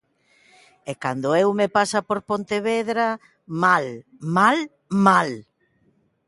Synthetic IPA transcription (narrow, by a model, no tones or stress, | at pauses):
ekand̪ʊewmepasɐpoɾpont̪eβeðɾa | mal | mal | mal